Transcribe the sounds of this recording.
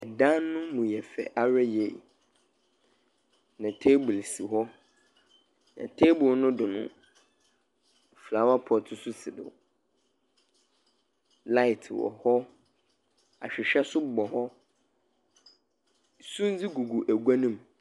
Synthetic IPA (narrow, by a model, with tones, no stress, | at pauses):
ɛ˨dã˦nːʊ̃˦mũ˨jɛ˨fɛ̰˨ʔa˦ɾɛ˦je˦˨ | nã˨tʰe˦bʊ˨lsi˨ɦɔ˦ | nã̰˨tʰe˦bʊ˨lnʊ̃˦dʊ˨nʊ̰̃˨ | fla˨˦wa˦pʰɔ˨tʰʊ˦sʊ˦sɪ˨dʊ̰˨ | la˦ɪ˨tʰwɔ̰˨hɔ˦ | a̰˨ɕᶣɪ˨ɕᶣɛ˦sʊ˦bɔ˨hɔ˦ | sũ˦n˦d͡zi˦ɡu˨ɡu˨ʔæ˨ɡʷa˦nĩ˦m˨